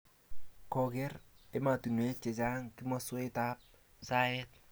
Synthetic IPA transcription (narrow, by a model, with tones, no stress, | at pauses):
kɔ˨ɡɛ˦ɾe˦ma˨tu˨nwe˦t͡ʃe˨t͡ʃa˦ŋki˦mɔ˦swta˦p̚ | sa˦jɛ˦t̚